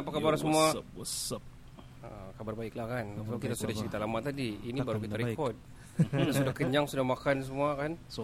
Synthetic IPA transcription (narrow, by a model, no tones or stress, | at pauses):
apakabaɾsəmua | əkabarbaɪklahkankalokit̪asudaht͡ʃsəɾit̪alamat̪adiːnibaɾukit̪aɾekɔt̪̚ | asudahkəɲaŋsudahmakans̬əmuakan